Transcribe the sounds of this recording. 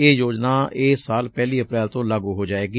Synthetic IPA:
eːjoːd͡ʒnaːeːsaːlpɛːliːəpɾɛːlt̪õːləɡuːɦoːd͡ʒaːeːɡi

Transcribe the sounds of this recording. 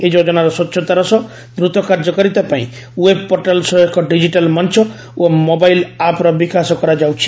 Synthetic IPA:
ed͡ʒod͡ʒɔnaɾɔsɔtːʃʰɔt̪aɾɔsɔ | d̪ɾut̪ɔkaɾd͡ʒɔkɔɾit̪apaḭ̃ | web̚pɔɾʈalsɔɔkʰɔɖid͡ʒiʈalmɔnt͡ʃʰɔ | omobajlapɾɔbikasɔkɔɾad͡ʒawt͡ʃʰi̥

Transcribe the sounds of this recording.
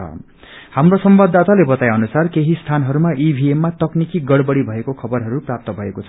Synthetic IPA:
ʌ̰ | hamrosʌmbʌd̪ːat̪alebʌt̪ajʌnusarkeɦist̪ʰanɦʌɾumaʔibʱiemːat̪ʌknikiɡʌɽbʌɽibʱʌekokʰʌbʌrɦʌɾuprap̚t̪ʌbʱʌekot͡sʰʌ

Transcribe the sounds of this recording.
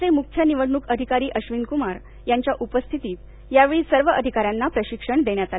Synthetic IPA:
emuk̪̚ʰjəniʋəɽɳukəd̪ʱikaɾiːʔəɕʋinkumaɾ | jaɲt͡ɕjaʔupəst̪ʰit̪iːt̪ | jaʋeɭiːsəɾʋəʔəd̪ʱikaɾjanːapɾəɕikʂəɳd̪eɳjat̪al

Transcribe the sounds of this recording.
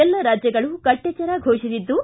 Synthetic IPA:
ɛlːɐɾaːd͡ʒjɐɡɐɭukɐʈːjɐt͡ʃɐɾaɡʱoːʂiʋid̪ːu

